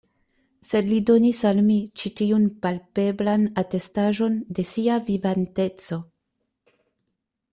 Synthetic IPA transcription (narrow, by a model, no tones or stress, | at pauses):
se̞dlido̞nisalmit͡ʃitiunpalpe̞blanate̞staʒo̞nde̞siavivante̞t͡so̞